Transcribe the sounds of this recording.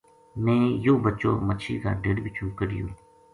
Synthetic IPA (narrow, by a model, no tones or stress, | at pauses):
mɛ̃ːjoːbət͡ʃo̰ːmət͡ʃʰiːka̰ːɖeɽbɪt͡ʃũːkəɽɪjoː